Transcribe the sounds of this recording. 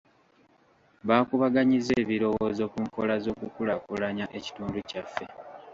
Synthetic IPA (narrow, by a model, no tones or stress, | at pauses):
βaːkuβaɡaɲize̞ːβiɾo̞wo̞ːzo̞kuŋko̞lazo̞kukulakulaɲaʔe̞ci̥tuːnducafːe̞